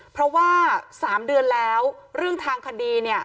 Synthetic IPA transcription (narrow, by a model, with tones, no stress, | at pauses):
pʰɾɔ˦˥waː˥˩saː˩˦mdɯ˧ənlɛː˦˥wɾɯ˥˩əŋt̪ʰaː˧ŋkʰa˧diː˧ni˥˩ə